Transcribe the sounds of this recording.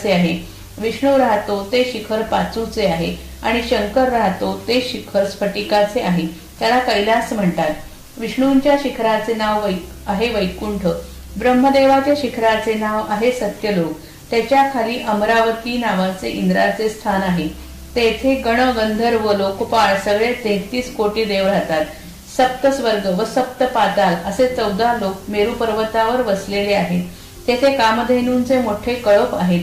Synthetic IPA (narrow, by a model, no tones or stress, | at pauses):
t͡seaɦe | ʋiʂɳuɾaɦt̪ot̪eɕikʰəɾpat͡sut͡seaɦe | a̰ɽ̃iɕəŋkəɾːaɦt̪ot̪eɕikʰəɾspʰəʈikat͡seaɦe | t̪jalakəjlasm̤əɳt̪at̪ | ʋiʂɳuɲt͡ɕjaɕikʰɾat͡senaʋʋəjaɦeʋəjkuɳʈʰə | bɾəmːəd̪eʋat̪jaɕikʰɾat͡senaʋaɦesət̪jəlok | t̪jat͡ɕjakʰaliːʔəmɾaʋət̪iːnaʋat͡seʔind̪ɾa̰t͡sest̪ʰanaɦe | t̪et̪ʰeɡəɽ̃əɡənd̪ʱəɾʋəlokpaɭsəɡɭet̪et̪iːskoʈiːd̪eʋɾat̪at̪ | səp̚t̪əsʋəɾɡəʋəsəp̚t̪əpat̪aləset͡səwd̪alok̚meɾupəɾʋət̪aʋəɾʋəsleleaɦet̪ | t̪jet̪ʰekamd̪ʱenuːnt͡semoʈʰekəɭəpa̰ɦet̪